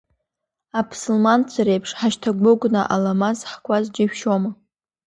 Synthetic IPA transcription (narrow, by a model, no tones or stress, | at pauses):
apʰsʊlmant͡sʷʰaɾejpʰʂħaʃtʰaɡʷʊɡʷnaʔalamazħkʷʼazd͡ʒɪʃᶣʃoma